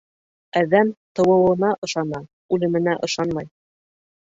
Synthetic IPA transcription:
æðæmt̪ɤ̆wɤ̆wɤ̆nɑʔɤ̆ʃɑnɑ | ʉlɘ̆mɘ̆næʔɤ̆ʃɑnmɑj

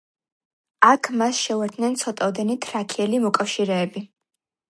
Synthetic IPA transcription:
akʰmasʃɛuvɛɾtd̪ʰnɛnt̪sʰɔt̪ʼad̪ɛnit̪ʰɾakʰiɛlimɔkʼafʃiɾɛːbi

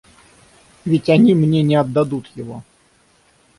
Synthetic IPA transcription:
vʲɪtʲɐnʲimnʲenʲɪɐd̪ːɐd̪ut̪jɪvo

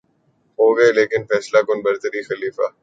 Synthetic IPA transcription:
ɦoːɡɐeleːkɪnfɛːslakʊnbɐɾt̪əɾixɐliːfaː

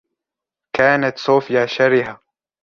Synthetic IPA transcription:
kaːnat̪sˤuːfɪjaːʃaɾɪɦa

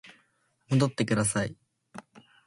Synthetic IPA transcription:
mo̞d̪o̞t̪ːe̞kɯ̟d̪as̬ai

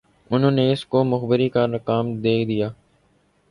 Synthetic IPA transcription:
ʊnɦõːneːɪskoːmʊxbəɾiːkaːnəkaːmd̪eːkd̪ɪjaː

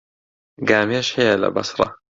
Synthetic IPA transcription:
ɡaːmeʃħeala̰bɑ̰sɾˤɑ̰

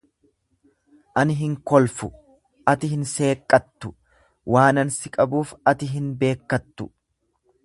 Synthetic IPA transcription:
ʔɐnɪɦɪŋkɔlfʊ | ʔɐt̪ɪhɪnse̞ːkʼːɐt̪ːʊ | waːnɐnsɪkʼɐbuːfɐt̪ɪɦɪnbe̞ːkːɐt̪ːʊ

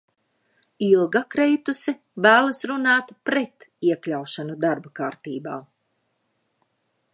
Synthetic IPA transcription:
ilˠɡakɾɛjt̪usi | væːlˠasɾunaːt̪pɾɛt̪iɛklʲawʃanud̪aɾbakaːɾt̪iːba̰ː

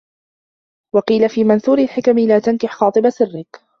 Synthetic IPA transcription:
wɑqiːlafiːmanθuːɾɪlħɪkamlaːt̪ankɪħxɑːt̪ˤɨbasɪrːɪk

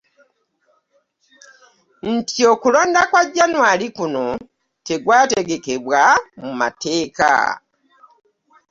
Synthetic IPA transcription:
n̩tio̞kulo̞ːndakwaɟːanwaːlikuno̞ | te̞ɡwaːte̞ɡe̞ke̞βwamuma̰te̞ːka̰

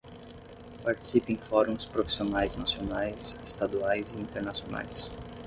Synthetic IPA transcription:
paɾt͡ʃi̥sipẽj̃fɔɾũspɾofi̥sionajznasionajsɪst̪ad̪uajzɪĩnt̪eɾnasiona̰js

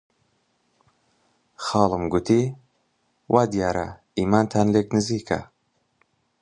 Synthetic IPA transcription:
xɑːlˠɨmɡʊt̪ʰiː | wʔaːd̪ijaːɾɐ̰ | iːmaːnt̪ʰaːnleːknɨziːkʰɐ̰

